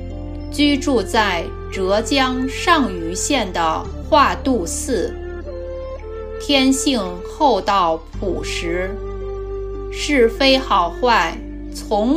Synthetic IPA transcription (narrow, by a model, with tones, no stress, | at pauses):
t͡ɕy˥ʈ͡ʂu˥˧t͡sa˥˩ɪ | ʈ͡ʂɤ˧˥t͡ɕjɑ˥ŋʂɑ˥˩ŋy˧˥ɕjɛ˥˩nd̪ə̰˩ | xwa˥˧t̪u˥˧sɹ̩˥˩ | t̪ʰjɛ˥nɕi˥˧ŋ | xo˥˧ʊt̪ɑ˥˩ʊ | pu˨˩ʂɻ̩˧˥ | ʂɻ̩˥˩fe˥ɪxɑ˨˩ʊxwa˥˩ɪ | t͡sʰʊ˧˥ŋ